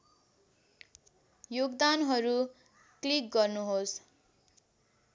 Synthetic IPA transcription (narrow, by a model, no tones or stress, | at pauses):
joɡd̪anɦʌɾu | klik̚ɡʌrnuɦos